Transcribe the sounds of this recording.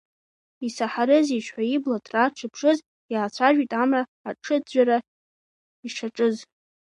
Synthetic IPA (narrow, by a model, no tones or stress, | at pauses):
isaħaɾɨziʃʷħʷaiblatʰraʈ͡ʂʰɨpʰʂɨz | jaːt͡sʷʰaʒʷᶣitʼamraːʈ͡ʂʰɨd͡ʑʷaɾa | iʂʰaʈ͡ʂʼɨz